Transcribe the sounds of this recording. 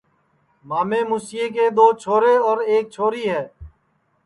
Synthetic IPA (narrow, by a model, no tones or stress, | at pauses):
maːmẽːmʊsɪjeːk̬eːd̪oːt͡ʃʰoːɾeːɔːɾeːk̚t͡ʃʰoːɾiːɦɛː